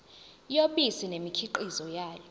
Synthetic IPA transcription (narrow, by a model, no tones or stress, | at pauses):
joɓisinemikʰiǃizɔjaːjɔ